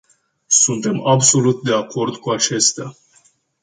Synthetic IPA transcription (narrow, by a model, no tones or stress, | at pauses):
sunt̪e̞mabso̞lut̪̚d̪e̞ako̞rd̪kuat͡ʃe̞st̪a